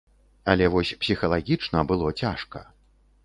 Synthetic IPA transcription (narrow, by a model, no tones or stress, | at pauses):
ɐlʲɛvɔsʲpsʲixɐlˠaɣʲit͡ʂnɐbɨlˠɔt͡sʲaʂkɐ̰